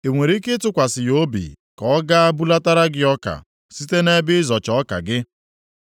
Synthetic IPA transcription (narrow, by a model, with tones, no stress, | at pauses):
e˨ŋʷe˨ɾi˦kɪ˦tʊ˦kʷa˨sɪ˨jo˦bḭ˨ | kɔ˨˦ɡa˦a˦bu˦la˦ta˦ɾa˦ɡɪ˦ɔ˦ka̰˨ | si˦te˦ne˦bɪ˦zɔ˨t͡ʃɔ˦ka̰˨ɡɪ˦